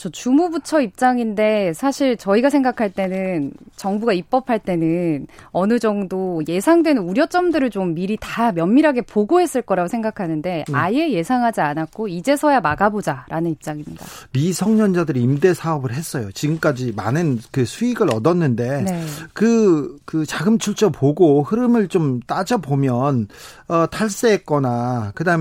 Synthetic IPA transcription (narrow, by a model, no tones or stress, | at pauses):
t͡ɕʌt͡ɕumubutʰʌip̚t͡ɕ͈aŋinde̞sʰaɕʰiɭt͡ɕʌiɡas̬ʰe̞ŋɡakʰaɭt͈e̞nɯnt͡ɕʌŋbuɡaip͈̚ʌpʰaɭt͈e̞nɯnʌnɯd͡ʑʌŋdoje̞sʰaŋdwe̞nɯnuɾjʌt͡ɕ͈ʌmdɯɾɯɭt͡ɕomːiɾitamjʌnmːiɾɦaɡe̞poɡoɦe̞s͈ɯɭk͈ʌɾaɡosʰe̞ŋɡakʰanɯnde̞a̰je̞je̞sʰaŋɦad͡ʑianak̚k͈oid͡ʑe̞sʰʌjamaɡabod͡ʑaɾʔanɯnip̚t͡ɕ͈aŋimɲida̰misʰʌŋɲʌnd͡ʑadɯɾiːmde̞sʰaʌbɯɭɦe̞s͈ʌjot͡ɕiɡɯmk͈ad͡ʑima̰nɯnkɯsʰuiɡɯɾʌdʌnːɯnde̞nekɯkɯt͡ɕaɡɯmt͡ɕʰuɭt͡ɕ͈ʰʌpoɡohɯɾɯmɯɭt͡ɕomt͈ad͡ʑʌpomjʌnʌtʰaɭs͈eɦek͈ʌnakɯdaɯm